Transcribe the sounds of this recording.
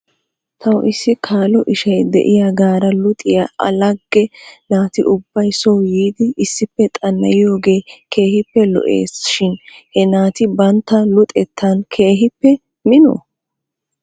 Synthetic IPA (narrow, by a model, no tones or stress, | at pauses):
t̪ʰɐwʔɪsːɪkʰaːlɔʔɪʃɐjd̪ɛ̰ʔɪjaɡaːɾɐlʊt̪ʼɪjɐʔɐ̰lɐɡːɛnaːt̪ɪʔʊbːɐjsɔwjiːd̪ɪɪsːɪpːɛt̪ʼɐnːɐjɪjo̞ːɡe̞ːkʰe̞ːhɪpːɛlɔ̰ʔḛːsʃɪnhɛnaːt̪ɪbɐnt̪ːɐlʊt̪ʼɛt̪ʰːankʰeːɦɪpːɛ | mɪno̰